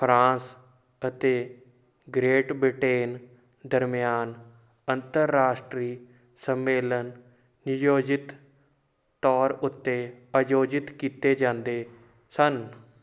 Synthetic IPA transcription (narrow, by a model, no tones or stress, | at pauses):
pʰɾãːs | ət̪eː | ɡɾeːʈbɾɪʈeːn | d̪əɾmɪjaːn | ənt̪əɾːaːʃʈɾiː | səmːeːlənː | ɪjoːd͡ʒɪt̪ː | ɔːɾʊt̪ːeːəd͡ʒoːd͡ʒɪt̪kiːt̪eːd͡ʒãːnd̪eː | sən